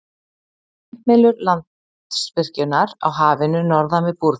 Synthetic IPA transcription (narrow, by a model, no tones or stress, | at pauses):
meːlʏɾlant̪ | spɪr̥cʏnaɾa̰wɦaːvɪnʏnɔɾðamɪðpuɾ